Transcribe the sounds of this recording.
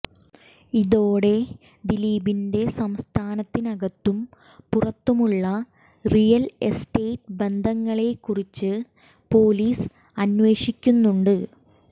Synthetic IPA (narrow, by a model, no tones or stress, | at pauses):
iðoːɽe̞ | d̪iliːbinde̞sɐmst̪ʰaːnɐt̪ːinɐɣɐt̪ːum | purɐt̪ːumuɭːɐ | rijɐlesʈeːtbe̞nd̪ʱɐŋːɐɭe̞kːurit͡ɕːɨ | po̞ːliːs | ɐnʋe̞ːʂikʲːunːuɳɖɨ